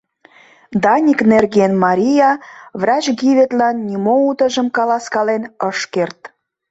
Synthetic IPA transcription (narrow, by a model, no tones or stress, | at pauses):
d̪ɑnʲiknerɣenmɑɾʲijɑvrɑt͡ɕɣiβet̪lɑnːʲimout̪ə̆ʒəmkɑlɑskɑlenəʃkert̪